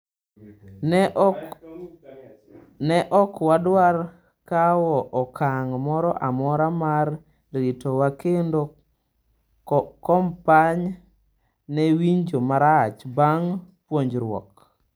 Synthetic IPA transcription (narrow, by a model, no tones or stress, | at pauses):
nɛʔɔkwadwar | kawɔʔɔkʰaŋmɔɾɔʔamɔɾamarː | itɔwakendo | kɔmpaɲ | nɛwiɲd͡ʒomaɾat͡ʃbaŋpwoɲd͡ʒɾwɔ̰k